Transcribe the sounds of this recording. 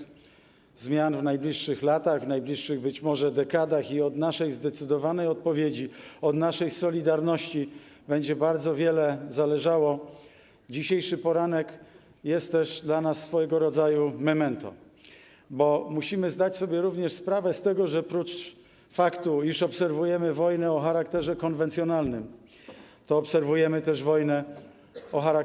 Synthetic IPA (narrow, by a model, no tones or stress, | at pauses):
zmʲjanvnajblʲiʂːɘxlat̪aɣvnajblʲiʂːɘɣbɘt͡ɕmɔʐɛd̪ɛkad̪axiɔd̪naʂɛjzd̪ɛt̪sɘd̪ɔvanɛjɔt̪̚pɔvʲjed͡ʑiɔd̪naʂɛjsɔlʲid̪aɾnɔɕt͡ɕi | bɛɲd͡ʑɛbaɾd̪zɔvʲjɛlɛzalɛʐawɔ | d͡ʑiɕejʂɘpɔɾanɛk | jɛst̪ːɛʐd̪lanasːfɔjɛɡɔɾɔd̪zajumɛmɛnt̪ɔ̰ | bɔmuɕimɘzd̪at͡ɕsɔbʲjɛɾuvɲɛʂspɾavɛst̪ɛɡɔʐɛpɾut͡ʂ | fakt̪uiʂɔpsɛɾvujɛmɘvɔjnɛɔxaɾakt̪ɛʐɛkɔnvɛnt̪sʲjɔnalnɘm | t̪ɔːpsɛɾvujɛmɘt̪ɛʐvɔjnɛ | ɔxaɾa